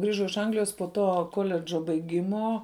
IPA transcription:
ˈɡrʲɪʒɐʊ ɪʃ ˈɐŋɡlʲɪjoːs poː ˈtoː ˈkoːlʲɛd͡ʒoː bɐɪˈɡʲɪmoː

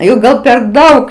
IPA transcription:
jɛʊ ˈɡɐlˠ pʲɛr ˈdɐʊk

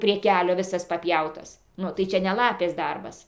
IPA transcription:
pʲrʲiɛ ˈkʲæːlʲoː ʋʲɪˈsɐs pɐˈpʲjɛʊtɐs ˈnʊ tɐɪ ˈt͡ʃʲɛ nʲɛ ˈlˠɑːpʲeːs ˈdɐrbɐs

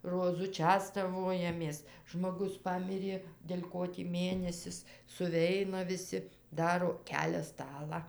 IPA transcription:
roːˈzʊ ˈt͡ʃʲæːstɐʋoːjɛmʲeːs ʒmoːˈɡʊs ˈpɑːmʲɪrʲeː dʲɛlʲ ˈkoː tʲiː ˈmʲeːnʲɛsʲɪs sʊˈʋʲɛɪnɐ ʋʲɪˈsʲɪ ˈdɑːroː ˈkʲæːlʲɛ ˈstɑːlˠɑː

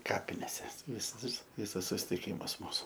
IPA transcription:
ˈkɑːpʲɪnʲeːsʲɛ ˈʋʲɪs ˈʋʲɪs ˈʋʲɪsɐs sʊsʲɪtʲɪˈkʲɪmɐs ˈmuːsʊ

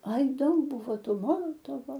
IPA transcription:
ɐɪ ˈdɐʊk ˈbuːʋoː ˈtuː ˈmoːlˠoːtoːʋoː

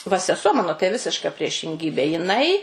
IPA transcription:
ʋɐ sʲɛˈsuɔ ˈmɑːnoː tɐɪ ˈʋʲɪsʲɪʃkɐ pʲrʲiɛʃʲɪŋʲˈɡʲiːbʲeː jɪˈnɐɪ

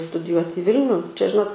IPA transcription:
stʊdʲɪˈjuɔtʲ ɪ ˈʋʲɪlʲnʲʊ t͡ʃʲɛ ˈʒʲɪnoːt

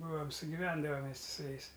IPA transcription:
ˈbuːoːm sʊɡʲɪˈʋʲɛndɐʋɐm mʲɛs tʲɪ sʊ ˈjɛɪs

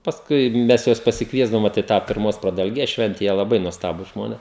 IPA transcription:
pɐsˈkʊɪ ˈmʲɛs ˈjuɔs pɐsʲɪkˈʋʲiɛzdɐʋoːm ˈʋoːt ɪ ˈtɑː pʲɪrˈmoːs prɐdɐlʲˈɡʲeːs ˈʃʲʋʲɛnʲtʲɛ ˈjiɛ lˠɐˈbɐɪ nuɔsˈtɑːbuːs ˈʒmoːnʲeːs

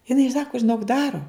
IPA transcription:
jɪˈnɐɪ ˈsɑːkoː ʒʲɪˈnoːk ˈdɑːroː

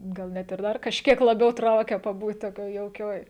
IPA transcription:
ɡɐlˠ ˈnʲɛt ɪr ˈdɐr kɐʃʲˈkʲiɛk lˠɐˈbʲɛʊ ˈtrɐʊkʲɛ pɐˈbuːt toːˈkʲoːj jɛʊˈkʲoːj

